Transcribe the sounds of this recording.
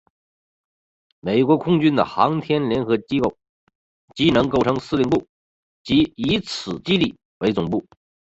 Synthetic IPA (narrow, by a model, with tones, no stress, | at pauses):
me˨˩ɪkwɔ˧˥kʰʊ˥ŋt͡ɕy˥nd̪ə̰˨˩xɑ̰˧˥ŋt̪ʰjɛ˥nljɛ˧˥nxɤ˧˥t͡ɕi˥ko˥˩ʊ | t͡ɕi˧˥nɤ˧˥ŋko˥˩ʊʈ͡ʂʰɤ˧˥ŋsɹ̩˥˧li˥˧ŋp̬u˥˩ | t͡ɕi˧˥i˧˥t͡sʰɹ̩˨˩t͡ɕi˥li˥˩ | we˧˥ɪt͡sʊ˨˩ŋpu˥˩